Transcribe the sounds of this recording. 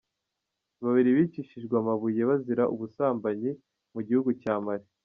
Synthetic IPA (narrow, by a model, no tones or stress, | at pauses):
βaβiɾiβit͡ʃiʃiʒɡwamaβuje̞βaziɾaʔuβusaːmbaɲi | muɟihuɡucaːmaɾi